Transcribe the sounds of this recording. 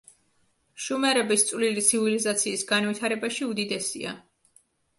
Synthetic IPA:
ʃumɛɾɛbist̪sʼvlilit̪sʰivilizat̪sʰiːsɡanwit̪ʰaɾɛbaʃiud̪id̪ɛsḭa̰

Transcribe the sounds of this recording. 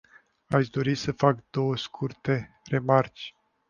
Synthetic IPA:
aʃʲd̪o̞ɾisəfakd̪o̞wəskʰurt̪e̞ | re̞mart͡ʃʲ

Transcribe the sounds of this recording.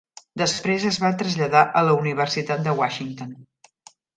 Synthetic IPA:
d̪əspɾezəzβat̪ɾəzʎəðaʔələuniβ̞ərsit̪at̪̚d̪əwaʃiŋt̪on

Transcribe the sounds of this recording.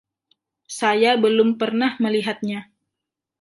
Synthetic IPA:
sajabəlʊmpərnahməliɦat̪̚ɲa

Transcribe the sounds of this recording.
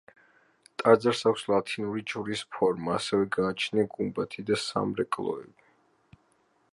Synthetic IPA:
t̪ʼad̪zaɾsakʰʷslˠat̪ʰinuɾit͡ʃʼuɾispʰɔɾmaːsɛvɛɡaːt͡ʃʰnaɡumbat̪ʰid̪asa̰mɾɛkʼlˠɔ̰ɛ̰bi

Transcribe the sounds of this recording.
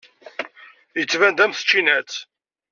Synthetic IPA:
jət͡sːvænd̪æmθə̥t͡ʃːinæt͡s

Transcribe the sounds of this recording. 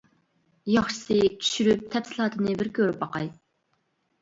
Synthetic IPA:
jɑχʃɨ̥sɨt͡ʃʰy̥ʃyɾyp̚t̪ʰɛpsɪlˠɑːt̪ʰɨnɨbɪɾkʲʰøɾypɑqɑj

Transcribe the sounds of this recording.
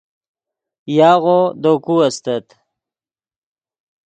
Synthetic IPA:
jɑːɣod̪okuɐst̪ət̪

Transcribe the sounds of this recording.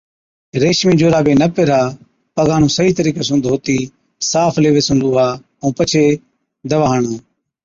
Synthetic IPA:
ɾeːʃmĩːd͡ʒoːɾaːbeːnəpeɾaː | pəɡãːnũːsəiːt̪əɾiːkeːsũːd̪ʱoːt̪iː | saːfʰleːʋeːsũːluːaː | ũːpət͡ʃʰeː | d̪əʋaːɳoː

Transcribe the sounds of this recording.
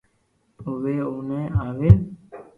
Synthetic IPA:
t̪oːʋeːoːnẽːaːʋeː

